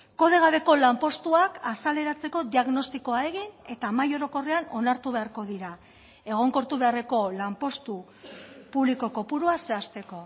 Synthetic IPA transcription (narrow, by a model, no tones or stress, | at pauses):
ko̞ð̞e̞ɣ̞aβe̞ko̞lampo̞st̪uakasale̞ɾat͡se̞ko̞ðiaɣno̞st̪iko̞ae̞ɣine̞t̪amajo̞ɾo̞ko̞reano̞naɾt̪uβe̞aɾko̞ðiɾa | e̞ɣ̞o̞ŋko̞ɾt̪uβe̞are̞ko̞lampo̞st̪u | puβliko̞ko̞puɾuase̞ast̪e̞ko̞